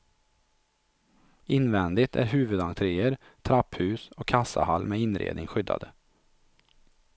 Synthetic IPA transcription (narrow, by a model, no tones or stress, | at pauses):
ɪnvɛnd̪ɪt̪ʰæ̰ɾɦʉ̟ːvɵd̪aŋt̪ʰɾeːəɾ | t̪ʰɾaphʉ̟ːsɔkʰːasːa̰halːmɛɪnɾḛːd̪nɪŋɧʏd̪ːa̰d̪ə